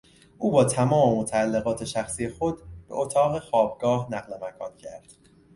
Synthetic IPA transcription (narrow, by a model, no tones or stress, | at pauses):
ʔuːbɒːt̪ʰæmɒːme̞mot̪ʰæælːeɣɒːt̪ʰe̞ʃæxsijexo̞d̪b̥ḛʔot̪ʰɒːɣexɒːb̚ɡɒːhnæɣlemækʰɒ̰ːncʰæɾd̪̥